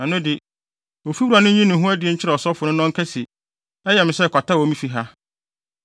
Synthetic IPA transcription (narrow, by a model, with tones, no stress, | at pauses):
nã˨nʊ̃˦dɪ˨ | o˨fi˦wu˦ɾa˨nʊ̃˦ɲĩ˦nʊ̃˨ɦʊ̃˦æ˦dɪ˨ɛ˨˦ɲ̩˦t͡ɕʰɪ˦ɾɛ˨ɔ˨sɔ˦fʊ˨nʊ̃˦nɔ̃˦ŋ˦kʰɛ˦si˨ | ɛ˦jɛ˨mɪ̃˨sɛ˦˨kʷa˨ta˦wɔ˨˦mĩ˦fi˦ɦa˦